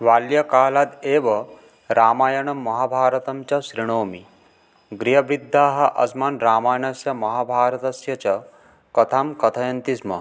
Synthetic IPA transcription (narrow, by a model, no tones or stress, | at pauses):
ʋaːljɐkaːlad̪eːʋɐ | ɾaːmaːjɐɳɐmːɐɦaːbʱaːɾɐt̪ɐmt͡ʃɐʃɾiɳ̃oːmi | ɡɾiɦɐbɾid̪ʱːaːɦɐʔɐ̰smaːnɾaːmaːjɐɳɐsjɐmɐɦabʱaːɾɐt̪ɐsjɐt͡ʃɐ | kɐt̪ʰaːmkɐt̪ʰɐjɐnt̪ismɐ̰